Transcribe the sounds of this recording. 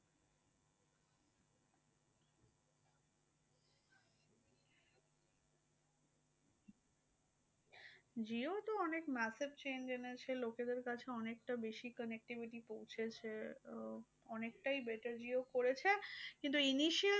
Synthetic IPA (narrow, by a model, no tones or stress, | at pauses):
d͡ʑiot̪oɔnekmɛsebt͡ɕend͡ʑenet͡ɕʰeloked̪eɾkat͡ɕʰeɔnekʈabeʃikənek̚ʈibiʈipowt͡ɕʰet͡ɕʰe | ɔnek̚ʈajbeʈəɾd͡ʑiokoɾet͡ɕʰekint̪uiniʃi